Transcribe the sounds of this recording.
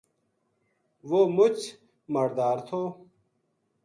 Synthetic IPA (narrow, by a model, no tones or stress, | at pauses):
ʋomʊt͡ɕ | mɐɾd̪aːɾt̪ʰoː